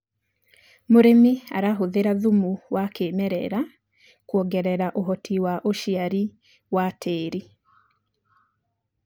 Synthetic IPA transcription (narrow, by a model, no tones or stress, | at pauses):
moɾemia̰ɾaɦoðeɾaðumuwakeːmɛɾɛ̰ɾa | kwɔɡɛɾɛɾaʔoɦɔtʰiwaʔoʃiaɾi | watʰeːɾi